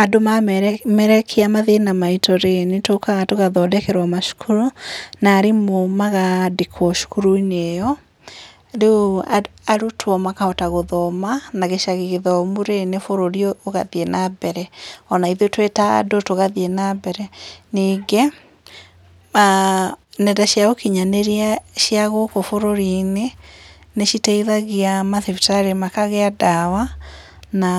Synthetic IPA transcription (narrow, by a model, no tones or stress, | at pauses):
adomamɛɾɛkʰeamaðenamaitoɾenetokaɣatoɣaðɔdɛkɛɾwamaʃu̥kʰuɾonaːɾemomaɣadekʰwɔʃu̥kuɾoinejɔ | ɾeoaaɾutʰwɔmakaɔtaɣoðɔmanaɣeʃaɣeɣeðɔmuɾenefoɾoɾiɔːɣa̰ðienabɛɾɛɔnaiðetweta̰dotoɣaðienabɛɾɛniːɡe | a | nɛdaɕjaɣokiɲaneɾiaʃiaɣokofoɾoɾineneʃiteiðaɣiamaθiftaɾemakaɣɛadawa | na